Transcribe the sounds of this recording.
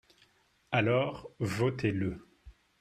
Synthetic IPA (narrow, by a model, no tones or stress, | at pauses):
alɔːʁvɔt̪ʰelə